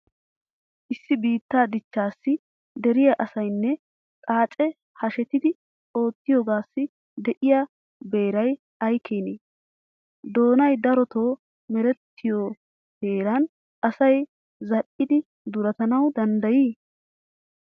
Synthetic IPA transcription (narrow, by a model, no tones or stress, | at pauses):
ʔɪsːɪbiːt̪ːaːd̪ɪt͡ʃːaːsːɪ | d̪ɛɾɪjaʔɐsɐjnːɛ | kʼaːt͡ʃʼɛ | hɐʃɛt̪ɪd̪ɪ | o̞ːt̪ːɪjoːɡaːsːɪ | d̪ɛʔɪja | be̞ːɾɐj | ɐjkʰeːneː | d̪o̞ːnɐjd̪ɐɾɔt̪o̞ː | mɛɾɛt̪ːɪjoː | heːɾɐn | ʔɐsɐj | zɐʔɪd̪ɪ | d̪ʊɾɐt̪ɐnɐwd̪ɐnd̪ɐjiː